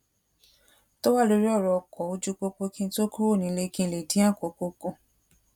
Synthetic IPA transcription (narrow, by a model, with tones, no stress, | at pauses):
to˦wa˦˨lo˧ɾi˦ɔ˦˨ɾɔ˧˨kɔ˨˦o˧d͡ʒu˧ko˧ko˧kĩ˧˦to˦ku˦o˦˨nĩ˨˧le˧˦kĩ˧le˨dĩ˨˦ã˦˨ko˨˧ko˧kõ˧˨